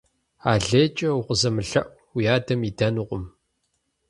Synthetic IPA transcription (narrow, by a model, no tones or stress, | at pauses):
aːɮeːt͡ʃʼɐuqʷəzɐmɨɬɐʔʷ | wijaːdɐmidɐnuʁʷʊm